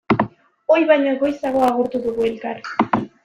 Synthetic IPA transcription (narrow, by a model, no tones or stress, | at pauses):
ojβajɲaɡo̞jsaɣo̞aɣoɾt̪uðuɣuelkar